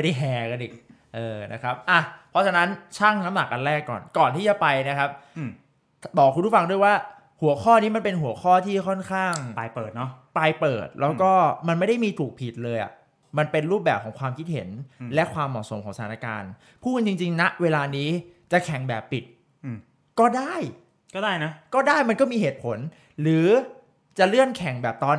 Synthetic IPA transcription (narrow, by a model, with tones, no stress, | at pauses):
a˥˩da˥˩jɦɛː˧˩ka˧nʔiː˨˩k̚ | ʔɤː˧na˦˥kʰɾa˦˥p̚ʔa˧˩pʰɔ˦˥t͡ɕʰa˧na˦˥nt͡ɕʰaː˥˩ŋna˦˥mna˨˩k̚ʔa˧nɾɛː˥˩kːɔ̰ː˨˩nkɔː˨˩nt̪ʰiː˥˩a˨˩pa˧jna˦˥kʰa˦˥p̚ | bɔː˨˩kʰu˧ntu˦˥˩fa˧ŋdu˥˩ə˨jwaː˥˩ | hu˩˦ɐkʰɔː˥˩niː˦˥ma˧npe˧nɦu˩˦ɐkʰɔː˥˩t̪ʰiː˥˩kʰɔ˥˩nkʰaː˥˩ŋ˧ɤː˨˩t̪̚n˦˥pa˧jpɤː˨˩t̪̚lɛː˦˥wkɔː˥˩ma˧nma˥˩jda˥˩jmiː˧t̪ʰuː˨˩k̚pʰi˨˩t̪̚lɤː˧jʔa̰˨˩ʔ | ma˧npe˧nɾuː˥˩p̚bɛː˨˩p̚ʰɔː˩˦ŋkʰwaː˧mkʰi˦˥t̪̚he˩˦nlɛ˦˥ʔkʰwaː˧mːɔ˨˩so˩˦mkʰɔː˩˦ŋsa˧tʰaː˨˦na˦˥˧ka̰ː˧n | pʰuː˥˩knt͡ɕi˧ŋt͡ɕi˧ŋna˦˥ʔweː˧laː˧niː˦˥t͡ɕa˨˩kʰɛ˨˩˦ŋbɛː˨˩pːi˨˩t̪̚ | kɔː˥˩daː˥˩j | kɔː˥˩daː˥˩jna˦˥kɔː˥˩daː˥˩jma˧nkɔː˥˩miː˧heː˨˩t̪̚pʰo˨˩˦n | ɾɯː˩˦ | t͡ɕa˨˩ɾɯ˥˩ənkʰɛ˨˩˦ŋbɛː˨˩p̚t̪ɔː˧n